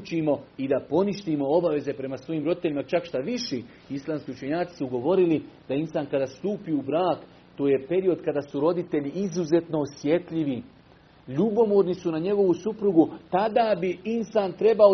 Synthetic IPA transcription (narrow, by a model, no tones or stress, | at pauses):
t͡ʃimo̞id̪apo̞niʃt̪imo̞o̞baʋe̞ze̞pɾe̞masʋo̞jiːmɾo̞d̪it̪e̞ʎʲimat͡ʃakʃt̪aʋiʃi | islˠaːmskʲiut͡ʃe̞ɲaːt̪i̥suɡo̞ʋo̞ɾilid̪ainsaːnkad̪aːst̪uːpiubɾaːk | t̪o̞ːje̞pe̞ɾio̞d̪kad̪aːsuɾo̞d̪it̪e̞ʎiʔizuze̞t̪no̞ːsje̞t̪ʎiʋi | ʎubo̞moːɾnisunaɲe̞ɡo̞ʋusupɾuɡut̪ad̪aːbiinsaːnt̪ɾe̞bao